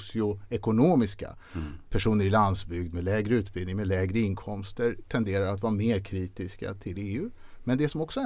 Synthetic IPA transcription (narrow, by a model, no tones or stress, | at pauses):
sɪʊɛkʊnoːmɪska̰ | pʰæʂuːnəɾɪland̪sbʏɡd̪melɛːɡɾəʉ̟ːt̪̚bɪlnɪŋmɛlɛːɡɾəɪŋkʰɔmst̪əɾt̪ʰɛnd̪eːɾaɾat̪vɑːɾameːɾkʰɾiːt̪ɪska̰t̪ʰɪleːʉ̟ː | mɛnd̪ɛsɔmɔksɔ